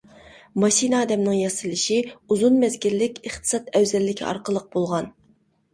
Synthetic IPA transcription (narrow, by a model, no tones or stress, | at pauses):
mɑʃinɑːd̪ɛmnɪŋjɑsɨlˠɨʃiuzunmɛzɡʲilːɪkʲɨχt̪ʰɨ̥sɑt̪ɛwzɛlːɪkʲʰḭɑ̰ɾqəlˠːəq̚b̥olˠʁɑn